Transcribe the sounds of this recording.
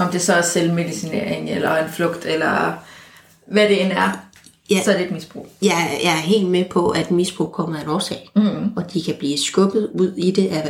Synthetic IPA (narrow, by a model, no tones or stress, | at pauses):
ɒ̽md̥e̝sɒselme̝ðˠisinḛɐ̰eŋelɐe̝nflɔɡ̥d̥elɐ | ʋæɾ̥e̝enæɐ | jæsɒd̥ed̥misb̥ʁṵːjɑjɑ̈ɪæɐɦe̝̰ːld̥mepʰɒ̽ʔæd̥misb̥ʁṵːkʰɒ̽m̰ɐenɒːsɛ̰ɪɒ̽d̥ikʰæb̥liːsɡ̥ɔ̽ɡ̥ð̩ˠuð̰ˠid̥e̝ʔæ